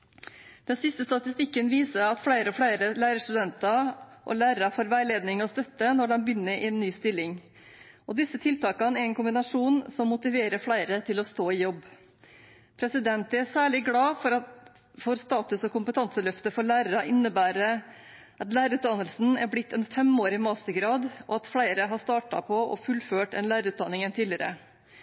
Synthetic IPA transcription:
d̪̥ɛnsɪst̪əst̪ɑt̪ɪst̪ɪkːənʋiːsəɾɑt̪fɽæɪɾəɔfɽæɪɾəlæːɾəʂt̪ʉd̪ɛnt̪ɑʔɔ̰læːɾəɾɑfoːɾʋæɪleːd̪nɪŋɔst̪œt̪ːənɔɖɛnbʏnːəɾʔɪɛnːyːst̪ɪlːɪŋ | ɔd̪ɪsːət̪ʰɪlt̪ɑːkɑnəɛɾɛnkʊmbɪnɑʂuːnsɔmːʊt̪ɪʋeːɾəɾfɽæɪɾət̪ʰɪlɔst̪oːɪjɔbː | pʰɾɛsɪd̪ɛnt̪ɛsæːɭɪɡlɑːfɔɾɑ | fɔɾst̪ɑːt̪ʉsɔkʰʊmpət̪ʰɑnsəlœft̪əfɔɭæːɾəɾɑʔɪnːəbæːɾə | ʔɑt̪læːɾəʉːt̪̚d̪ɑnːəlsn̩æɾblɪt̪ʰːɛnfɛmoːɾɪmɑːst̪əɡɾɑːd̪ɔɑt̪fɽæɪɾəɦɑʂt̪ɑːʈɑ̰pʰɔɔ̰fʉlføːʈɛnlæːɾəʉːt̪̚d̪ɑnːɪŋənt̪ʰiːlɪəɾə̰

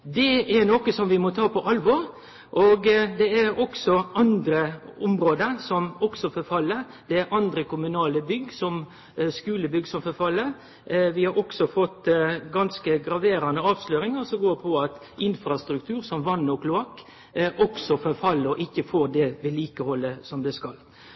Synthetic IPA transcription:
d̪ɛæɾnɔkəsɔmʋɪmɔt̪ʰɑːpʰɔʔɑlʋɔɾ | ʔoːɡd̪ɛæɾɔksɔʔɑnd̪ɾəʊmɾoːd̪əɾsɔmɔksɔfɔɾfɑlːəɾ | d̪̥ɛæɾʔɑnd̪ɾəkʊmʉnɑːləbʏɡsɔm | skʉːləbʏɡsɔmfɔɾfɑlːəɾ | ʋɪhɑɾɔksɔfɔt̪ːɡɑnskəɡɾɑʋeːɾɑnəɑːʋsløːɾɪŋɑsɔɡoːɾpʰɔɑt̪ | ɪnfɾɑst̪ɾʉkt̪ʰʉːɾsɔmʋɑnːɔkʰlʊɑkː | ʔɔksɔfɔɾfɑlːəɾɔʔɪçːəfoːɾd̪ɛʋɪliːkəhɔlːəsɔmd̪ɛskɑl

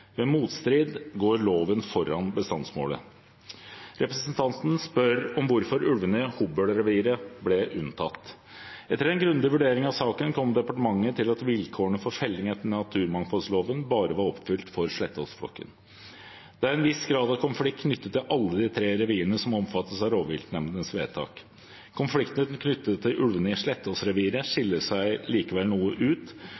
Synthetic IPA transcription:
ʋɛːmuːt̪st̪ɾiːd̪ɡoːɾɭoːʋənfɔɾɑnbəst̪ɑnsmo̰ːlə̰ | ɾʔɛpɾɛsənt̪ʰɑnt̪n̩spœɾɔmʋʊɾfɔɾʉlʋənəhuːbœɽɾɛʋiːɾəblɛʔʉnt̪ʰɑt̪ː | ɛt̪ːəɾɛnɡɾʉnd̪ɪʋʉɖeːɾɪŋɑʋsɑːkənkʰɔmd̪ɛpɑʈəmɑŋːət̪ʰɪlɑt̪ʋɪlkʰoːɳəfɔɾfɛlːɪŋɛt̪ːɳnɑt̪ʰʉːɾmɑŋfɔlsloːʋənbɑːɾəʋɑɾɔpːfʏlt̪fɔɾʂɭɛt̪ːəɔsfɽɔ̰kːə̰n | d̪̥ɛæɾɛnʋɪsɡɾɑːd̪ɑʋkʰʊnflɪk̚ʰnʏt̪ːət̪ːɪlʔɑlːəd̪ɪt̪ʰɾeːɾɛʋiːənəsɔmɔmfɑt̪ːəsɑɾoːʋʋɪlt̪nɛmd̪ənsʋeːt̪ʰɑ̰ːk | kʰʊnflɪkt̪nəd̪nkʰnʏt̪ːət̪ʰːɪlʔʉlʋənɪʂɭɛt̪ːɔsɾɛʋiːɾəʂɪlːəsæɪliːkəʋɛlnuːəʔʉːt̪

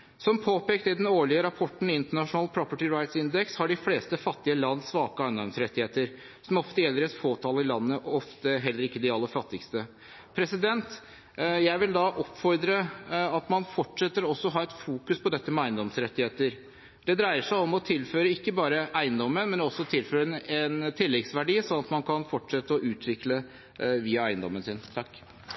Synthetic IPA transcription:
sɔmpʰoːpeːkt̪əɪd̪ɛnoːɭɪəɾɑpʰɔʈːɳ̩ɪɪnt̪əɳɑʂʊnɑːlpʰɾɔpəʈɪɹaɪt̪sɪnd̪ɛkshɑɖɪfleːst̪əfɑt̪ːɪəlɑnːsːʋɑːkəæɪnd̪ɔmsɾɛt̪ːɪheːt̪əɾ | sɔmɔft̪əjɛlːəɾɛt̪foːt̪ʰɑːləɪlɑnːəʔɔft̪əɦɛlːəɾɪkːəd̪ɪɑlːəfɑt̪ːɪkst̪ə | pʰɾɛsɪd̪ɛnt̪ | jæɪʋɪld̪ɑʔɔpːfɔɾd̪ɾəɑt̪mɑnfɔʈʂɛt̪ːəɾɔsːɔɦɑːɛt̪fuːkʉspʰɔd̪ɛt̪ːəmɛæɪənd̪ɔmsɾɛt̪ːɪheːt̪əɾ | d̪̥ɛd̪ɾæɪəʂæɪɔmɔt̪ʰɪlːføːɾəɪkːəbɑːɾəʔæɪənd̪ɔmːənmɛnɔsːɔt̪ʰɪlføːɾəɛnt̪ʰɪlːɛɡsʋæɖiːsɔnːɑt̪mɑnkʰɑnfɔʈʂɛt̪ːəɔʔʉːt̪ʰʋɪklə | ʋiːɑæɪənd̪ɔmːənsɪnt̪ʰɑkː

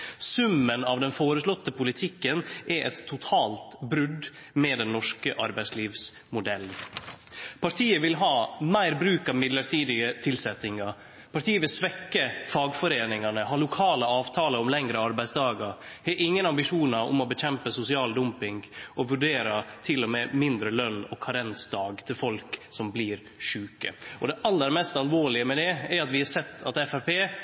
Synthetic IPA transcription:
sʉmːənɑʋd̪ɛnfoːɾəʂlɔt̪ːəpʊlɪt̪ʰɪkːənʔɛʔɛ̰t̪ʰːʊt̪ʰɑːlt̪bɾʉd̪ | mɛːd̪ɛnːɔʂkəʔɑɾbæɪsliːʋs | mʊd̪ɛln | pʰɑɾt̪ʰiːəʋɪlɦɑːmæɪɾbɾʉːkɑʋmɪd̪ləɾʈ̪ʰiːd̪ɪət̪ʰɪlsɛt̪ɪŋɑ | pʰɑʈʰiːəʋɪlsʋɛkːəfɑːɡfɔɾeːnɪŋɑnəɦɑːlʊkʰɑːləɑːʋt̪ʰɑːləɾɔmlɛŋɾəɑɾbæɪsd̪ɑːɡɑɾhɛʔɪŋːənɑmbɪʂuːnɑɾʊ̰mɔbɛc͡çɛmpəsʊsɪɑːld̪ʊmpɪŋɡʔɔʋʉɖeːɾɑt̪ʰɪlːɔmɛmɪnd̪ɾəlœnːɔ̰kʰɑɾɛnsd̪ɑːɡt̪ʰɪlfɔlksɔmbliːɾ | ʂʉːkə̰ɔd̪ɛʔɑlːəɾmɛst̪ɑlʋoːɭɪəmɛd̪ɛɛɾɑt̪ʋɪhɑsɛt̪ʰːɑt̪ɛfæɾpeː

